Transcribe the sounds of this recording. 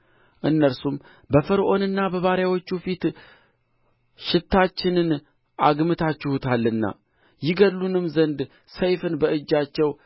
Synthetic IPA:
ʔɨnːəɾsum | bəfəɾʔo̞nɨnːabəβaɾjawot͡ʃːufit̪ | ʃɪt̪ːat͡ʃːɪnɨn | ʔaɡmɨt̪ʰat͡ʃːɪhut̪ʰalːɨnːa̰ | jɪɡəlːunɨmzənd̪ | səjfɨnbəʔɨd͡ʒːat͡ʃːɛw

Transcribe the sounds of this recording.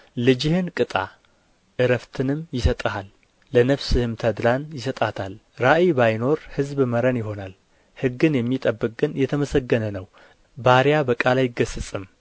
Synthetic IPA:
lɨd͡ʒɪhɨnkʼɨt̪ʼa̰ | ʔɨɾəft̪ʰɨnɨmjɪsət̪ʼəhalː | ənəβsɨhɨmt̪ʰəd̪lanjɪsət̪ʼat̪ʰalɾaʔibajno̞ɾhɨzbməɾənjɪɦo̞nal | hɨɡːɨnjɛmːit̪ʼəbːɨkʼɡɨnjɛt̪ʰəməsəɡːənənəw | baɾjabəkʼalajɪɡəsɨt͡sʼɨm

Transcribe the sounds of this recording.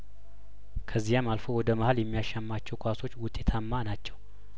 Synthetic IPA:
kʰəzːijamalfowɔd̪əmahaljɛmːijaʃamːat͡ʃːɛwkʰʷaso̞t͡ʃːwʊt̪ʼːe̞t̪ʰamːanat͡ʃːɛw

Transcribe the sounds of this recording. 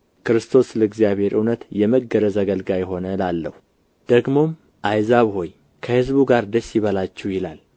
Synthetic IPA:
kʰɨɾɨst̪ʰo̞sləɨɡzijaβhe̞ɾʔɨwnət̪jɛməɡːəɾəzəɡəlɡajɦo̞nəlalːəhu | d̪̥əɡmo̞m | ʔajzaβho̞j | kʰəhɨzbuɡaɾd̪əsːjɪβəlat͡ʃːɛwjɪlal

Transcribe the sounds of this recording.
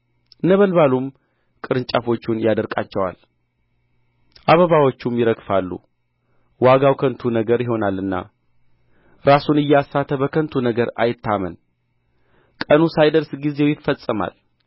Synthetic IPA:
ɨnːəβəlβalum | kʼɨɾɨnt͡ʃʼafo̞t͡ʃːunjad̪əɾkʼa̰t͡ʃːɛwa̰l | ʔaβəβawo̞t͡ʃːumjɪɾəɡfalːṵ | waɡawkʰənt̪ʰunəɡəɾjɪɦo̞nalːɨnːa̰ | ɾasunɨjːɛasːat̪ʰːəbəkʰənt̪ʰunəɡəɾa̰jɪt̪ʰːamən | kʼənusajd̪əɾsɡize̞wjɪfːəsʼɨma̰l

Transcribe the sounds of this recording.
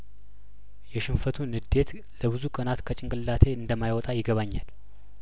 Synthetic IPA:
jɛʃɪnfət̪ʰunɨd̪e̞t̪ | ləβɨzukʼənat̪kʰət͡ʃʼɪŋkʼɨlːat̪ʰe̞ɨnd̪əmːajwɔt̪ʼajɪɡəβaɲːa̰l

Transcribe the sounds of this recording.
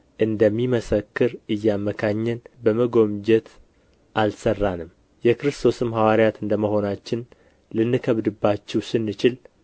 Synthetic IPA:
ʔɨnd̪əmːiməsəkːɨɾɨjːamːəkʰaɲːɛnbəməɡo̞md͡ʒɛt̪ | ʔalsərːanɨm | jɛkɨɾɨst̪ʰo̞sɨmɦawaɾjat̪ɨnd̪əməho̞nat͡ʃːɪn | lɨnːɨkʰəβd̪ɨbːat͡ʃːɛwsɨnːɨt͡ʃɪl

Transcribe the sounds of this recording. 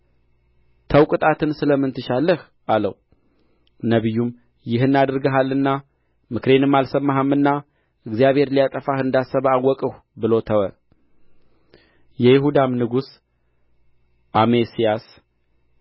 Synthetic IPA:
t̪ʰəwkʼɨt̪ʼat̪ʰɨnsɨləmːɨnt̪ʰɨʃalːəh | alə̰w | nəβɨjːum | jɪɦɨnːad̪ɾɡəɦalːɨnːa | mɨkɾe̞nɨmːalsəmːaɦəmːɨnːa | ɨɡzijaβhe̞ɾlijat̪ʼəfahɨnd̪asəβawːɔkʼəhʷ | bɨlo̞t̪ʰəwə | jɛjɪɦud̪amnɨɡus | ʔamesijas

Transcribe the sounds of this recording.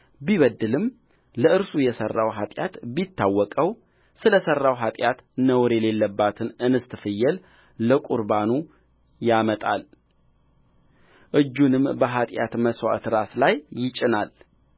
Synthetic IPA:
biβəd̪ːɨlɨm | ləɨɾsujɛsərːawɦat̪ʼjat̪bit̪ːawːɔkʼəw | sɨləsərːawɦat̪ʼjat̪nəwɾele̞lːəbːat̪ʰɨnʔɨnɨst̪ʰɨfɨjːɛl | ləkʼuɾbanu | jamət̪ʼal | ʔɨd͡ʒːunɨmbəɦat̪ʼja̰t̪məswa̰t̪ɾaslajːɪt͡ʃʼɪnal

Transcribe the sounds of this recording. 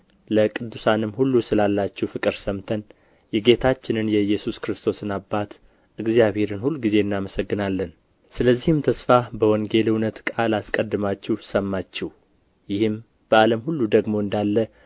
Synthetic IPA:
ləkʼɨd̪ːusanɨmhulːusɨlalːat͡ʃːɛhwfɨkʼɨɾsəmt̪ʰən | jɛɡe̞t̪ʰat͡ʃːɪnɨnjɛjːɛsuskɾɨst̪ʰo̞sɨnabːat̪ | ʔɨɡzijaβhe̞ɾɨnhulːuɡize̞ɨnːaməsəɡːɨnalːən | sɨləzːihɨmt̪ʰəsfabəwɔŋɡe̞lɨwnət̪kʼalaskʼəd̪ːɨmat͡ʃːɛhsəmːat͡ʃːɛh | jɪhɨm | b̥əaləmhulːud̪əɡmo̞ɨnd̪alːə

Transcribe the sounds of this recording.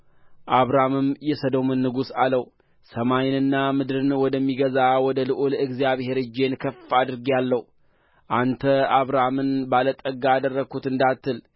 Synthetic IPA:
ʔaβɾamɨmjɛsəd̪o̞mɨnːɨɡusaləw | səmajnɨnːamɨd̪ɾɨnwɔd̪əmːiɡəzawɔd̪əlɨʔoləɨɡzijaβhe̞ɾɨd͡ʒe̞nkʰəfːad̪ɨɾɡjalːəh | ʔant̪ʰəaβɾamɨnbalət̪ʼəɡaːd̪ərːəkʰut̪ɨnd̪at̪ːɨl

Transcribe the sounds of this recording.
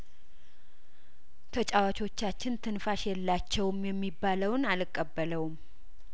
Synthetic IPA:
t̪ʰət͡ʃʼawat͡ʃʰo̞t͡ʃːat͡ʃːɪnt̪ʰɨnfaʃjɛlːat͡ʃːɛwmjɛmːibːaləwnalɨkʼːəbːələwm

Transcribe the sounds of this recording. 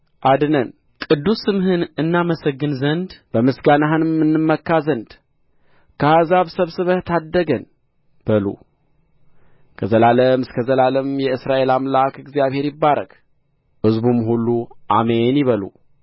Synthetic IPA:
ʔad̪ɨnən | kʼɨd̪ːusɨmhɨnɨnːaməsəɡːɨnzənd̪b̥əmɨsɡanaɦɨnɨmːɨnːɨmːəkːazənd̪ | kʰəazaβsəβsɨβət̪ʰad̪ːəɡən | b̥əlṵ | kʰəzəlaləmɨskʰəzəlaləmjɛɨsɾaʔe̞lamlakɨɡzijaβhe̞ɾjɪbːaɾə̰k | hɨzbumhulːuʔamenjɪβəlṵ

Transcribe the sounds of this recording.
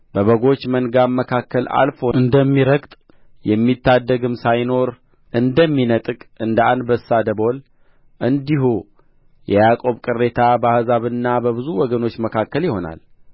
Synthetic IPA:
b̥əβəɡo̞t͡ʃːmənɡamːəkʰakːəlʔa̰lfo̞ɨnd̪əmːiɾəɡt̪ʼ | jɛmːit̪ːad̪ːəɡɨmsajno̞ɾ | ʔɨnd̪əmːinət̪ʼɨkʼɨnd̪əanbəsːad̪əbo̞l | ʔɨnd̪iɦu | jɛjakʼo̞βkʼɨrːe̞t̪ʰabahzaβɨnːabəβɨzuwɔɡəno̞t͡ʃːməkʰakːəljɪho̞na̰l

